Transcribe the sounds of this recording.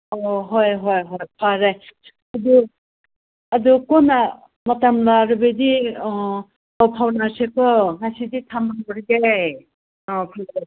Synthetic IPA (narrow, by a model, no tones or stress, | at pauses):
ɔɦɔjɦɔjɦɔjpʰaɾaj | adu | adukɔna | mɔtamlaɾɯbedi | ɔwpʰawnasekɯŋasiditʰamaɔɾiɡej | pʰa